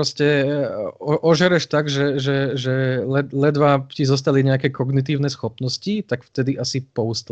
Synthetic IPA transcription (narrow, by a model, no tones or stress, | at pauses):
ɾɔscɛ | ɔʔɔʒɛɾɛʃt̪aɡʒɛʒɛʒɛlɛlɛd̪ʋacizɔs̬t̪aliɲɛakɛkɔɡnit̪̬iːʊnɛsxɔpnɔscit̪akft̪ɛd̪iʔasipɔust̪